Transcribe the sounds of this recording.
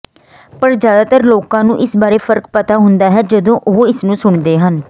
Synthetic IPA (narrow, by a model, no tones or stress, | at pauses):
pəɾzjaːd̪aːt̪əɾloːkãːnũːʔɪsbaːɾeːpʰəɾkpət̪aːɦʊnd̪aːɦɛːd͡ʒəd̪õːʔoɪsnũːsʊɳd̪eːɦən